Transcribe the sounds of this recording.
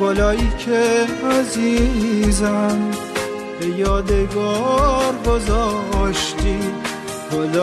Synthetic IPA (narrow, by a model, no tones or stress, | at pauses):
bɔːlɒːjiːcʰeæzizæm | b̥ejɒːd̪eɡɔːɾɡozɒʃt̪i | bɔl